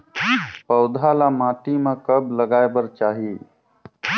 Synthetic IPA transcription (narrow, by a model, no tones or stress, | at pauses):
pəʊd̪ʱalamãːʈimãkəbləɡaːebəɾt͡ʃaːɦiː